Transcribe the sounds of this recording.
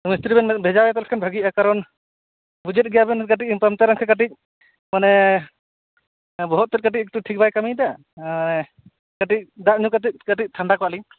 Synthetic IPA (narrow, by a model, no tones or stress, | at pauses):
ɔmist̪ɾibɛnbʱɛd͡ʒawɛt̪alkʰanbʱaɡijakaɾɔn | bud͡ʒɛt̪̚ˀɡɛjabɛnkaʈ̬ic̚pamt̪aɾaŋkʰɛkaʈ̬ic̚ | manɛ | bɔɦɔt̪̚t̪ːɛt̚kaʈ̬ic̚ɛk̚tuʈʰik̚bajkamijd̪a | anɛ | kaʈic̚d̪aʔɲukat̪ic̚kaʈic̚t̪ʰaɳɖakɔaʔli